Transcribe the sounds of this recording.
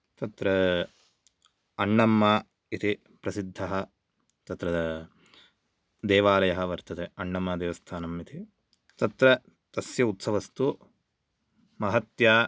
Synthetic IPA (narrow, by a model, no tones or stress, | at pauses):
t̪ɐt̪ɾɐ | ɐɳːɐmːaː | it̪ʰi | pɾɐsid̪ʱːɐɦɐ | t̪ɐt̪ɾɐ | d̪eːʋaːlɐjɐɦɐ̆ʋɐɾt̪ɐt̪eɐɳːɐmːɐd̪eːʋɐst̪ʰaːnɐmit̪ʰi | t̪ɐt̪ɾɐ | t̪ɐsjɐut̪sɐʋɐst̪u | mɐɦɐt̪jaː